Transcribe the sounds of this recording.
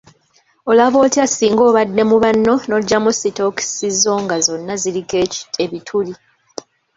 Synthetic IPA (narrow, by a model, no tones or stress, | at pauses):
o̞laβo̞ːtiasiːŋɡo̞ːβadːe̞muβanːo̞no̞ɟːamusito̞ki̥sizo̞ːŋɡazo̞nːazilike̥eβitʰuli